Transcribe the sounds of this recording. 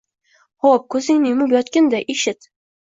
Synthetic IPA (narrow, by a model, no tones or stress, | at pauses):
hɒp̚kʰɵzɪŋnɪmʊbjɒt̪kʲand̪aʔeʃɪt̪